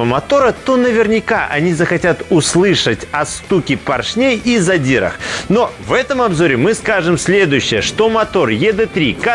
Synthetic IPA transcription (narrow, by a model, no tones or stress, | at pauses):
əmɐt̪o̞ɾət̪o̞nəvʲɪrnʲɪkaʔɐ̰nʲizəxɐtʲat̪ʊslˠɨʂətʲɐst̪ukʲɪpɐrʂnʲejizɐdʲiɾə̰xno̞vɛt̪əmɐbzo̞ɾʲɪmɨskaʐɨmsʲlʲe̞d̪ʊjʉɕːɪjəʂt̪o̞mɐt̪o̞rjɛd̪ɛt̪ɾʲika